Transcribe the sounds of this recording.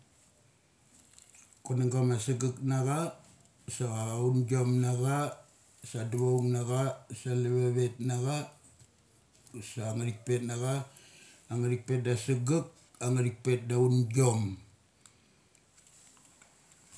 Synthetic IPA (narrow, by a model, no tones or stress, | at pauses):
konaŋɡamasiɡaknaɡa | saɣaunɡio̞mnaɡa | sadaβauŋnaɡasaleβeβet̚naɡa | saŋaɾik̚pe̞tnaɡaː | ŋaɾik̚pet̚dasiɡak̚ | aŋaɾik̚pe̞t̚daunɡo̞m